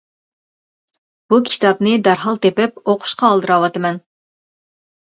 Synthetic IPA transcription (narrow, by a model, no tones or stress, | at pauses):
b̥ukʲʰi̥t̪ɑpnɪd̪ɑɾɦɑlˠt̪epɪp̚oqʰʊ̥ʃqɑːlˠd̪ɨɾɑwɑt̪ɨmɛn